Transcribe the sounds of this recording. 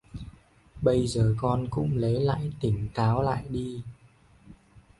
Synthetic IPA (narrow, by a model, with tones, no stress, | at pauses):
ɓə˧jzəː˨˩kɔ˧nkʊ̰˧˥ŋ͡mlə˨˦jla̰ː˧˨jt̪ï˧˩ŋ̟kaː˨˦wla̰ː˧˨jɗi˧